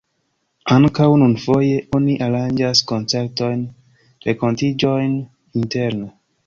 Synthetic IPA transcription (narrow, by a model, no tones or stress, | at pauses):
aŋkawnunfo̞je̞ʔoniʔaɾand͡ʒasko̞nt͡se̞ɾto̞jn | ɾe̞ko̞ntid͡ʒo̞jn | inte̞ɾne